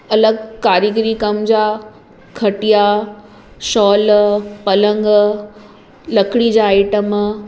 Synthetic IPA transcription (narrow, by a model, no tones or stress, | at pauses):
ɐləɡkaːɾiɡɾikɐmd͡ʑaː | kʰɐʈija | ʃɔːlpɐlə̃ŋɡ | lɐkʰɽid͡ʑaːɪʈəm